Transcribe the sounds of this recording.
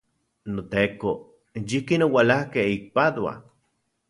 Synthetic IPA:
not̪eko | jihkinowalahkeik̚pad̪wa̰

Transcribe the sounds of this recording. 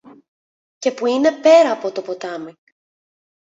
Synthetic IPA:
ce̞puine̞pe̞ɾɐːpo̞t̪o̞po̞t̪ɐmi

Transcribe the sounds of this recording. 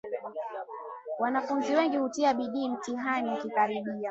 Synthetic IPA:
wanafunziwɛŋɡihutiaɓiɗiːm̩tiɦanikikaɾiɓia

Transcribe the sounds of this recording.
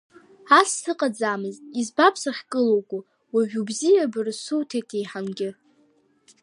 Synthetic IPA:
asːɨqʼad͡zaːmɨztʼizbapʰsaχʲkʼɨlowkʷʼu | waʒᶣubzijabɨrsuwtʰejtʰejħamɡʲɪ

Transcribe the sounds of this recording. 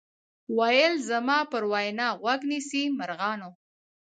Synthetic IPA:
wajəlzamɑpəɾwɑjnɑɣwaɡnisimaɾɣɑno

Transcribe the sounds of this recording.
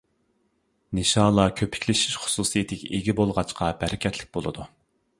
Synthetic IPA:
nɪʃɑːlˠɑkʲʰøpʰɪ̥kʲlɪʃi̥ʃχʊ̥suːsijet̪ʰɪɡʲɛʔeɡʲibolˠʁɑt͡ʃqʰɑbæɾɪkʲɛt̪ʰlɪk̚ʲbolˠɨd̪u

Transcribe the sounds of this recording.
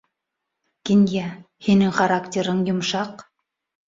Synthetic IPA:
kinjæ | hinɘŋχaɾaktʲeɾɤɴjŏmʃɑq

